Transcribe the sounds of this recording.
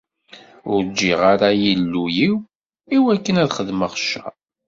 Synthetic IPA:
ʊɾd͡ʒːiʁaɾajilːujiw | iwækːənæðχəðməʁʃːæ

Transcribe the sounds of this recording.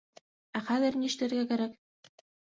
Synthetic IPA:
æχæðɘ̆ɾnʲiʃɘt̪ɘ̆ɾɡækæɾæk

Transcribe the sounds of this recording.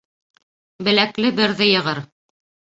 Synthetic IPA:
bɘ̆læklɘbɘ̆ɾðɘjɤ̆ʁɤɾ

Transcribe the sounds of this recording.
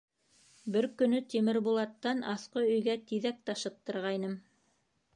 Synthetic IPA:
bɘɾkɵ̆nɵt̪imɘ̆ɾbulˠɑt̪ːɑnɑθqɤɵ̆jɡæt̪iðæk̚t̪ɑʃɤ̆p̚t̪ɤ̆ɾʁɑjnɤm

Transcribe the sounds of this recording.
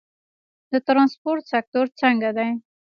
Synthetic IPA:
d̪ət̪ɾɑnspoɾt̪sak̚t̪oɾt͡səŋɡad̪aj

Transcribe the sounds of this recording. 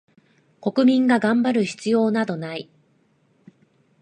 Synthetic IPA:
ko̞kɯ̟mʲĩŋɡaɡãmbaɾɯ̟çi̥t͡sɨjo̞ːnad̪o̞nai

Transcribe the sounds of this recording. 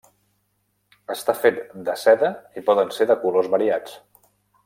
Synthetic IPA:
əst̪afet̪d̪əsɛðəipɔðənseðəkulozβəɾiat͡s

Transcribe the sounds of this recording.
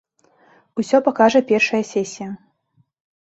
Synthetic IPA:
usʲɔpakaʐɐpʲɛrʂɐjɐsʲɛsʲijɐ

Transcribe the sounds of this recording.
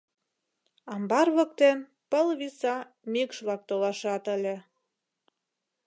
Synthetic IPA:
ɑmbɑrβək̚t̪en | pəlβisɑ | mikʃβlɑk̚t̪olɑʃɑt̪əlʲĕ

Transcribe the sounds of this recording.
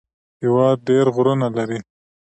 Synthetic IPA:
hɪwɑd̪̚ɖeɾɣɾunalaɾi

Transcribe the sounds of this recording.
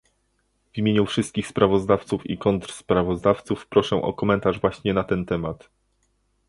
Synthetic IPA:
vʲimʲjeɲufʂɘst̪̚kʲixspɾavɔzd̪aft̪sufḭkɔnt̪ɾspɾavɔzd̪aft̪sufpɾɔʂɛ̃ʔɔ̰kɔmɛnt̪aʐvwaɕɲɛnat̪ɛnt̪ɛmat̪

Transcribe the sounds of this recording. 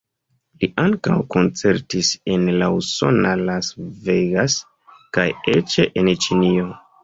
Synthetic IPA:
liʔaŋka̰wko̞nt͡se̞ɾtise̞nlauso̞̰nalasveɡas | kajet͡ʃe̞ʔent͡ʃinio

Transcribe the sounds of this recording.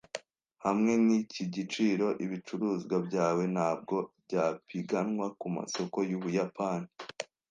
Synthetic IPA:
hamŋe̞niciɟit͡ʃiːɾo̞ʔiβit͡ʃuɾuːzɡwabɟaːwe̞nhaːb̚ɡo̞bɟaːpiɡanŋwakuma̰so̞ko̞juβujapaːni

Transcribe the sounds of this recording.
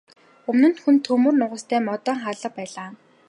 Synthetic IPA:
ɵmnɘ̆nxunt̪ʰɵmɵ̆rnʊʁə̆st̪ʰæːmɔt̪ɔːŋχaɮə̆pæːɮaː

